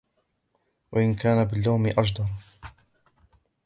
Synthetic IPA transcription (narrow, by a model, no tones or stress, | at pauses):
waʔɪnkaːnabɪlːawmɪʔaʃd̪ɑɾˤ